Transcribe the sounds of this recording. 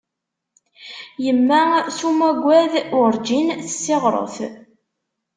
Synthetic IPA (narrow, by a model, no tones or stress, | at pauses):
jəmːæsumæɡʷæðʊɾd͡ʒinθə̥sːɪʁɾˤo̰θ